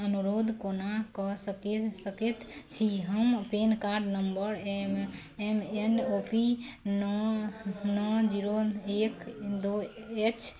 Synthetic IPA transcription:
ənuɾod̪ʱkonakɔsəkesəkɛt̪t͡ʃʰiɦəmpenkaɾɖnəmbəɾem | emeɳɖopinɔ | nɔd͡ʒiɾoekd̪oet͡ʃʰ

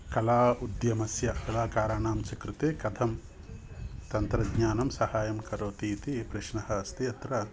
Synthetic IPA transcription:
kɐlaːud̪jɐmɐsjɐkɐlaːkaːɾaːɳaːmt͡ʃɐkɾut̪eːkɐd̪ʱɐm | t̪ɐnt̪ɾɐdɲaːnɐmsɐhaːjɐmkɐɾoːt̪iːt̪ipɾɪʃɳɐhɐɐst̪iɐt̪ɾɐ

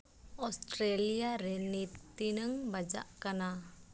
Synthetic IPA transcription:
ɔsʈɾelijaɾɛniinəŋbad͡ʒa̰ʔkana

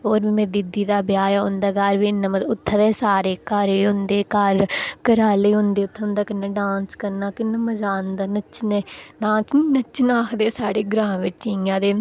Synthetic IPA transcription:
ɦoːɾʋiːmẽːd̪ɪd̪iːd̪aːbɪjaːjaʊnd̪aːɡaːɾʋiːnːəməʊt̪ʰːəd̪eːsaːɾeːkəɾeːɦʊ̃nd̪eːkəɾkəɾaːleːɦʊ̃nd̪eːʊt̪ʰːʊ̃nd̪aːkɪnːãːɖãːnskəɾnaːkɪnːəməzaːnd̪aːnət͡ʃneːnaːt͡ʃniːnət͡ʃnaːkʰd̪eːsaːɽeːɡɾãːʋɪt͡ʃiãːd̪eː

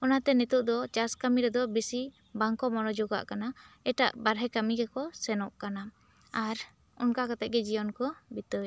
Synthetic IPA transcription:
ɔnat̪ɛnit̪uʔd̪ɔt͡ʃaskamiɾɛd̪ɔbisi | baŋkɔmɔnɔd͡ʒɔɡa̰ʔkanaɛʈa̰ʔbaɾɦɛkamiɡɛkɔsɛnɔʔkana | aɾ | ɔ̰nkakat̪ɛˀɡɛd͡ʒijɔnkɔbit̪ɔɛ

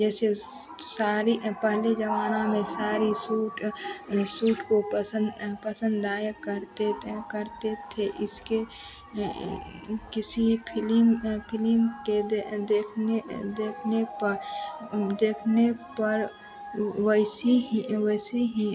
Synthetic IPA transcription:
d͡ʒɛːse | saːɾipəɦled͡ʒəʋaːnamẽsaːɾisuːʈ | suːʈkopəsə̃npəsə̃nd̪d̪aːjəkəɾt̪ekəɾt̪et̪ʰeʔɪske | kɪsipʰɪlmpʰɪlimked̪eːkʰned̪eːkʰnepəɾ | d̪eːkʰnepəɾ | wəɪsiɦiwəɪsiɦĩ

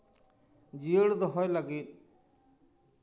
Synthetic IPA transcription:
d͡ʒiəɽd̪ɔɦɔjlaɡit̪̚

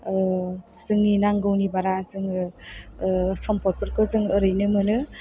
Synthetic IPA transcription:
z̥ɯŋninaŋɡɯwnibaɾazɯŋɯ | sɔmpʰɔɾ̚pʰɯɾkɔzɯŋɯɾɯjnɯmɯnɯ

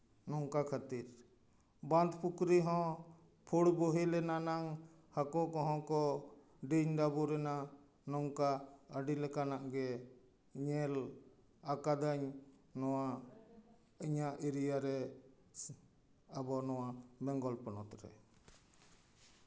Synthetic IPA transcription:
nɔŋkakʰat̪iɾ | band̪pukɾiɦɔ̃ | pʰuɽbɔɦilɛnanaŋ | hakɔkɔ̃ɦɔ̃kɔ | ɖiɲɖabuɾɛna | nɔŋkaəɖilɛkanaʔɡɛ | ɲɛl | akad̪aɲ | nɔwa | iɲaʔiɾijaɾɛ | abɔnɔwabɛŋɡɔlpɔnɔt̪ɾɛ̰

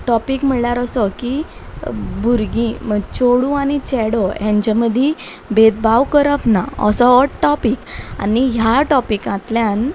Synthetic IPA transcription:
ʈɔpikm̤əɭlaɾɔsɔki | buɾɡĩməɡt͡ɕoɽũanit͡ɕɛɽɔjɛ̃ɲd͡ʑaməd̪ʱi | bʱet̪̚bawkəɾəpnaə̰sɔɔʈɔpika̰niɦjaʈɔpikãt̪ljan

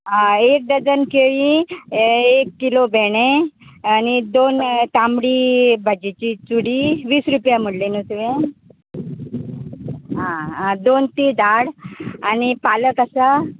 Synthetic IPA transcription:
aek̚d̪əd͡zənkeʋĩ | ekːilobʱɛɽ̃ẽanid̪ont̪amɽibʱad͡ʑit͡ɕit͡suɽiʋiːsɾupjaməɽlenusʋẽ | ɦãd̪ont̪id̪aɽanipaləkəsa

